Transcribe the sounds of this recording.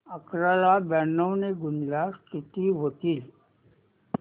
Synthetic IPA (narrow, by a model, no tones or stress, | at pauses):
əkɾəlabɛnːəwneɡʊnlasʈ̪ʰɪt̪iɦot̪il